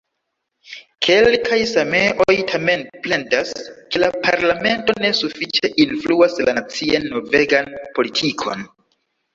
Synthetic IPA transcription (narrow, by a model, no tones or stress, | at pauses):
kʰe̞lkʰajsame̞ʔo̞jtʰame̞nple̞ndaskelapʰaɾlame̞nto̞ne̞sufit͡ʃe̞ʔinfluaslant͡sianːo̞ve̞ɡanpo̞litʰikʰo̞̰n